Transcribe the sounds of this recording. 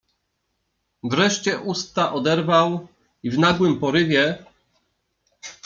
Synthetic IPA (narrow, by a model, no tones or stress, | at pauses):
vɾɛʂt͡ɕɛʔust̪aʔɔd̪ɛɾvaw | ivnaɡwɘmpɔɾɘvʲjɛ